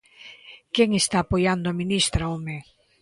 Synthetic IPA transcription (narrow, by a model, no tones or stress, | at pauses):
keŋest̪aːpojand̪ʊaminist̪ɾaome